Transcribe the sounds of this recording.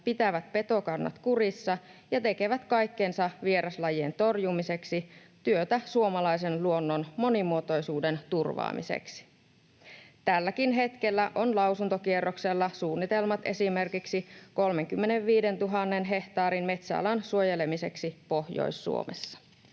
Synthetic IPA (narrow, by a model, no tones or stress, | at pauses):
pit̪æʋæt̪̚pe̞t̪o̞kɑnːɑ̰t̪kurisːɑ | jɑt̪e̞ke̞ʋæt̪kɑjkːensɑʋieɾɑslɑjient̪o̞rjumise̞ksi | t̪yøt̪æsuo̞mɑlɑjse̞nluo̞nːonmo̞nimuot̪o̞jsuːde̞nt̪urʋɑ̰ːmḭsḛksi̥ | t̪ælːækinɦe̞t̪k̟elːæʔo̞nlɑwsunt̪okierːokselːɑsuːnːit̪e̞lmɑt̪e̞sime̞rkiksiko̞lme̞ŋkymːeneʋʋiːde̞nt̪uɦɑnːe̞nɦe̞ht̪ɑːɾinme̞t̪sæɑ̰lɑnsuo̞je̞lemise̞ksipo̞hjo̰jsːṵo̰mḛsːɑ̥